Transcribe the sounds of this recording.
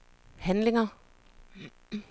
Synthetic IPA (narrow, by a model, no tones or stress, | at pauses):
hænleŋɐ